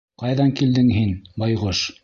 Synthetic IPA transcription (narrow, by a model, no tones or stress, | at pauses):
qɑjðɑŋkild̪ɘŋɦinbɑjʁoʃ